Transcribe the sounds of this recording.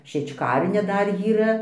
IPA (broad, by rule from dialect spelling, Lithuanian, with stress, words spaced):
ʃʲiɛt͡ʃˈkɐrʲnʲɛ ˈdɐr jiːˈrɐ